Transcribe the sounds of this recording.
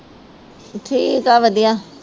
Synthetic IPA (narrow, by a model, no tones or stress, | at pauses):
ʈʰiːkaːʋəd̪ijaː